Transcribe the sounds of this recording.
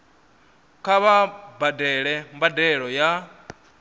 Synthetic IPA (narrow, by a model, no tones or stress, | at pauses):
kʰaβabadɛɺɛmbadɛɺɔja